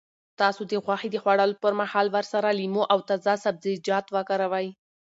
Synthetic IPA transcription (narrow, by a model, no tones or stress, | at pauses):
t̪ɑsod̪əɣwaxid̪əxwaɽɑlopəɾmahɑlwəɾsaɾalimoʔawt̪azɑsab̚zɪd͡ʒɑt̪wakaɾawaj